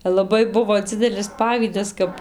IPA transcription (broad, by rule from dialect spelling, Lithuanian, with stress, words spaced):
lˠɐˈbɐɪ ˈbʊʋoː ˈd͡zʲɪdʲɛlʲɪs ˈpɑːʋʲiːdɐs ˈkɐp